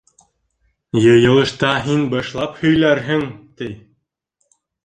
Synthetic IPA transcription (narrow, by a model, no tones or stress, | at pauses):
jɤjɤ̆lˠɤ̆ʃt̪ɑɦinbɤʃlˠɑphɵ̆jlæɾɦɘŋt̪ij